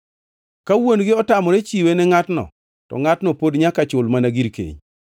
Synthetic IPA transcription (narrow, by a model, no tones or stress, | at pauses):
kawonɡɪɔtamɔɾɛt͡ʃiwenɛŋatnɔ̰ | tɔ̰ŋatnɔpodɲakat͡ʃʊlmanaɡiɾkḛɲ